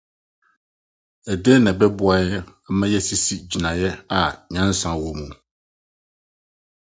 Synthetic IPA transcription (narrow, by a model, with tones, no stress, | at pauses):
ɛ˨dɛ˦nɛ̃˨bɛ˦bʊ˦a˨jɛ˦ɛ˦mɛ̃˦jɛ˦si˦si˦d͡ʑi˨nã˨jɛ˦a˨ɲã˦n˦sã˨wo˨mũ˨